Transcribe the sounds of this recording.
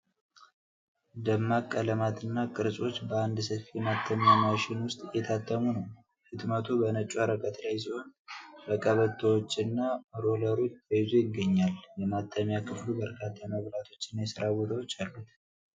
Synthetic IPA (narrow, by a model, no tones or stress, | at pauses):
d̪əmːakʼːələmat̪ʰɨnːakʼɨɾsʼo̞t͡ʃːbəand̪səfijɛmat̪ʰːəmjamaʃɪnwʊst̪ʼjɛt̪ʰat̪ʰʼːəmunəw | fɨt̪mət̪ʰubənət͡ʃʼːuaɾəkʼət̪lajs̬iho̞nbəkʼəβət̪ʰːəwot͡ʃːɪnːaɾo̞ləɾo̞t͡ʃːəjɪzujɪɡːəɲːaljɛmat̪ʰːəmjakʰɨflubəɾkʰat̪ʰːaməβlat̪ʰo̞t͡ʃːɪnːajɛsɨɾabo̞t̪ʰəwot͡ʃːalːut̪